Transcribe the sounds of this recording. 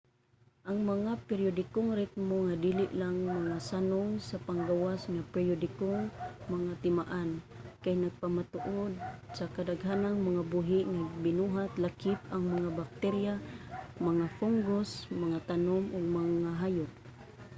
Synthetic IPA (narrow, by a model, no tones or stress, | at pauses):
ʔaŋmaŋapɛɾjod̪ɪkoŋɾɪt̪̚moŋad̪iːlɪʔlaŋmaŋasanʊŋsapaŋɡawasŋapɛɾjod̪ɪkoŋmaŋat̪ɪmaʔan | kajnaɡ̚pamat̪ʊʔod̪̚sakadaɡɦanaŋmaŋabuɦɪʔŋaɡbɪnuɦat̪lakɪp̚aŋmaŋabak̚t̪ɛɾjamaŋafuŋɡosmaŋat̪anomʔʊɡ̚maŋaɦajʊp̚